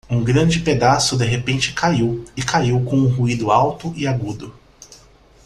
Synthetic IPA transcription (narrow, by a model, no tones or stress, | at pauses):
ũɡɾɐ̃d͡ʒɪped̪asʊd̪eɦepẽnt͡ʃɪ̥kaiwɪkaiwkõw̃ũɦuid̪ʊawt̪ʊʔɪaɡud̪ʊ